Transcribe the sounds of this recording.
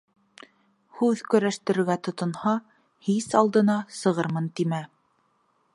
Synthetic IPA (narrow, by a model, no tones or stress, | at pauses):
hʉðkɵ̆ɾæʃt̪ɘ̆ɾɘ̆ɾɡæt̪ŏt̪ŏnhɑ | hisɑlˠd̪ɤ̆nɑsɤ̆ʁɤɾmɤnt̪imæ